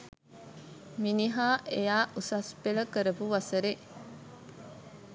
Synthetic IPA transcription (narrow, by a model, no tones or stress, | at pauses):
miniɦaːʔejaːʔusɐsbelɐkəɾebuʋɐsɐɾe